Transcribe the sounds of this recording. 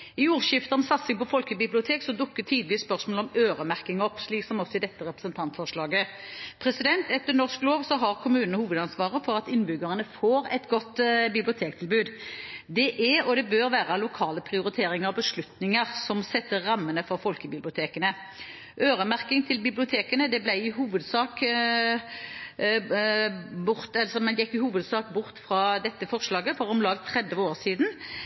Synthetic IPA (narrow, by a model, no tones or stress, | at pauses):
ɪuːʁʃɪft̪əʁɔmsɑt̪sɪŋpʰɔfɔlkəbɪblɪʊt̪ʰeːksɔd̪ʊkːət̪ʰiːd̪lɪəspœʁsmoːlɔmøːʁəmæʁkɪŋɔpːʂɭiːksɔmɔsːɔɪd̪ɛt̪ːəɾʁɛpɾəsənt̪ʰɑnt̪fɔʁʂlɑːɡəpʰɾɛsɪd̪ɛnt̪ɛt̪ːənɔʁskloːʋsɔɦɑʁkʰʊmʉːnənəhuːʋəd̪ɑnsʋɑːʁəfɔɾɑt̪ɪnbʏɡəʁənəfoːɾɛt̪ɡɔt̪ːbɪblɪʊt̪ʰeːkt̪ʰɪlbʉːd̪d̪ɛʔɛɔd̪ɛbøːɾʋæːʁɑlʊkʰɑːləpʰʁɪʊɾɪt̪ʰeːɾɪŋəɾʁɔbəʂlʉt̪nɪŋəʁsɔmsɛt̪ːəʁːɑmːənəfɔʁfɔlkəbɪblɪʊt̪ʰeːkənə | ʔøːʁəmæʁkɪŋt̪ʰɪlbɪblɪʊt̪ʰeːkənəd̪ɛblæɪɪɦuːʋəd̪sɑːk | bʊʁt̪ɛlsɔmɛnjɛkːɪhuːʋəd̪sɑːkbʊʁt̪fɾɑːd̪ɛt̪ːəfɔʁʂlɑːɡəfɔʁɔmlɑːɡt̪ʰʁɛd̪ʋəoːʁsiːd̪n̩